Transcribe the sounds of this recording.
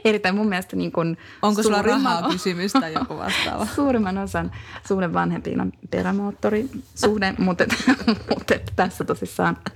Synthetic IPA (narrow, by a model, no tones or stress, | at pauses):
erit̪ːæimummiælest̪æniːŋkun | oŋskosulːrimːɑːysymyst̪æjkoʋɑ̰st̪ɑ̰ːʋɑsuːrimːɑnosɑnsuːɾeʋʋɑnhempḭːno̰npḛræmoːt̪ːorisuːnemut̪ːet̪mut̪ːet̪ːæ̥t̪æsːæt̪osisːɑːn